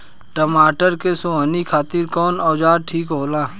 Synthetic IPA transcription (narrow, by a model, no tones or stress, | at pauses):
ʈəmaːʈəɾkesoanikʰaːt̪ɪɾkɔːnɔːd͡ʒaːɾ̚ʈʰiːkɦoːlaː